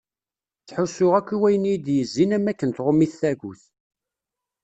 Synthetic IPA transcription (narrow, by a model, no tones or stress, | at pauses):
θħusːʊʁækʷːiwæjənjid̪jəzːinæmækːənt̪ʁʊmːiθθæʝuθ